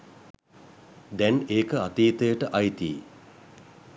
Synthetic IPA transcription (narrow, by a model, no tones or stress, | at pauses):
d̪ɛneːkəat̪iːt̪əjəʈəʔajt̪ḭː